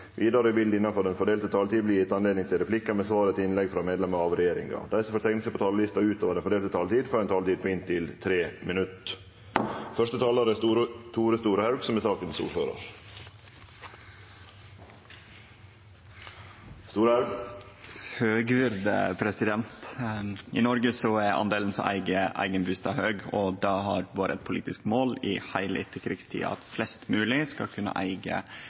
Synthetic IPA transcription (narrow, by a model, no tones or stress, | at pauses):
ʋʔiːd̪ɑɾəʋɪld̪ɪnːɑnfœɖ̪ɛnfɔɖeːlt̪ət̪ʰɑːlt̪iːbliːɛt̪ɑnleːd̪nɪŋt̪ʰɪlɾɛplɪkːəmɛsʋɑːɾət̪ɪnlɛɡfɾɑmeːd̪lɛmɑɾɑʋɾɛjeːɾɪ̰ŋɑ̰d̪æɪsfɔɾʈ̪t̪ʰɛɪŋnəsəpʰɔt̪ʰɑːllɪst̪ɑʉːt̪ʰoːʋəd̪ɛnfɔɖeːlt̪ət̪ʰɑːlt̪iːd̪fɔɾɛnt̪ɑːlt̪iːd̪̚pʰɔɪnt̪ʰɪlt̪ʰɾeːmɪnʉt̪ | fœʂʈət̪ʰɑːlɑɾət̪ʰuːɾəst̪uːɾəhæɾɡsɔmɛsɑːkənsṵːføːɾə̰ɾ | st̪uːɾæ | høːɡʋɪɾd̪əpʰɾɛsɪd̪ɛnt̪ʔɪ̰nɔɾɡəsɔæɾʔɑ̰nd̪eːln̩sɔ̰ʔæ̰ɪɡəʔæ̰ɪɡənbʉst̪ɑhøːɡɔd̪ɑɦɑ̰ɾbɑːɾəɛt̪̚pʰʊlḭːt̪ɪskmoːlɪhæɪlɪt̪ʰːəkʰɾɪɡst̪ʰḭːɑ̰ɑt̪flɛst̪mʉːlɪskɑ̰kʰʉnːə̰ʔæɪɡə̰